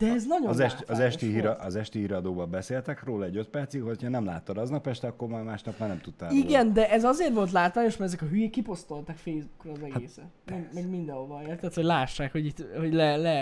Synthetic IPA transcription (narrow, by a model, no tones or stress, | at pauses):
d̪̥ɛɛznɒɟozɛʃɒzɛʃt̪iɦiɾʔɒzɛʃt̪ihiɾɒd̪oːbɒbɛseːlt̪ɛkroːlɒɛɟøt̪̚pɛrt̪sikhochɒnɛmla̰ːt̪ːod̪ɒznɒpɛʃt̪ɛɒkːoɾmaːjmaːʃnɒpmaːrnɛmt̪ut̪ːaːiɡɛnd̪ɛʔɛzɒzeːrʋo̞lt̪laːt̪ʋaːɲo̞ʃmɛɾɛzɛkɒɦyjeːkːipo̞st̪o̞lt̪ɒkfeːjzbukrɒːzɛɡaeːsɛmɛɡmɛɡmind̪ɛɦovɒeːrt̪ɛt̪ho̞ɟlaːʃːaːkho̞ɟit̪ho̞ɟlɛlɛ